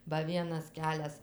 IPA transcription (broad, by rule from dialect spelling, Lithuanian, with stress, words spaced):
bɐ ˈʋʲiɛnɐs ˈkʲæːlʲɛs